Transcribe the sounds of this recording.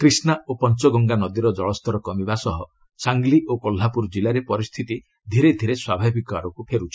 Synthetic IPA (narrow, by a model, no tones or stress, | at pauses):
kɾisnaopɔnt͡ʃɔɡɔŋɡanɔd̪iɾɔd͡ʒɔɭɔst̪ʰɔɾɔkɔmibasɔɦɔ | saŋɡliʔokɔl̤ːapuɾd͡ʒilaɾepɔɾist̪ʰit̪i | d̪ʱiɾed̪ʱiɾeswabʱabʱikɔaɾɔkupʰeɾut͡ʃʰi̥